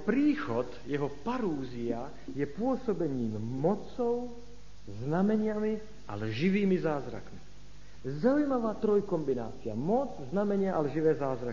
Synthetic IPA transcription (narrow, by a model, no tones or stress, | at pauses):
pɾiːxɔt̪jɛɦɔpaɾuːzia | jɛpʊɔsɔbɛɲiːmmɔt͡sɔʊ | znamɛɲɪami | alʒiʋiːmizaːzɾa̰kmi | zaujmaʋaːt̪ɾɔjkɔmbina̰ːt͡sia̰mɔt͡sznamɛɲɪaʔalʒiʋɛːzaːzɾak